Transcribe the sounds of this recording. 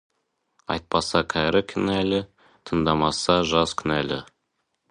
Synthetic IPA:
ɑ̰jt̪̚pɑsɑkʲʰæɾɪkʲʰʏnælɪ | t̪ʰənd̪ɑmɑsɑʒɑskʲʰʏnælɪ̰

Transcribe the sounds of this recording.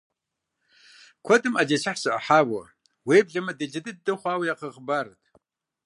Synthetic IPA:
kʷʰɔdɨmad͡ʒɐt͡ʃʰaħsɨʔɐ̰ħaːwɐ̰ | weːbɮɐmɐdɨd͡ʒɐdɨd̚dɨχʷɑːwjaːqɐʁəbaːɾɨtʰ

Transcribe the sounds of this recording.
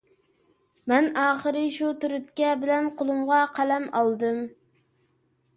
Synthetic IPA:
mɛnɑːχəɾɨʃut̪yɾyt̪̚kʲɛbɪlɛnqʰolˠumʁɑqʰælɛmɑ̰lˠd̪ɨm

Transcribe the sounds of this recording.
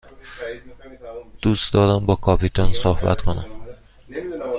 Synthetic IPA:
d̪̥uːsd̪ɒːɾæmbɒːkʰɒːpʰit̪ʰɒnsohbæ̰t̪kʰonæ̰m

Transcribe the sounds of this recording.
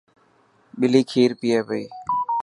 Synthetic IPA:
ɓɪliːkʰiːɾpiːɛːbəiː

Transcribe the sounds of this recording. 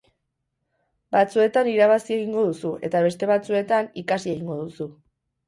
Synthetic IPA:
bat͡sue̞t̪aniɾaβ̞asie̞ɣiŋɡo̞ðusue̞t̪aβ̞e̞st̪e̞β̞at͡sue̞t̪anikasie̞ɣiŋɡo̞ðusu

